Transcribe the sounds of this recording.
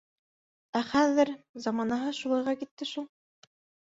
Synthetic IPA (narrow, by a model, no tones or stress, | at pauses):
æχæðɘɾzɑmɑnɑɦɤʃulˠɑjʁɑkit̪ːɘʃulˠ